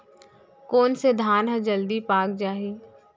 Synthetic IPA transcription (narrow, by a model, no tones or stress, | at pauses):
koːnsed̪ʱaːnɦəd͡ʒɐld̪ipaːk̚d͡ʒaːɦiː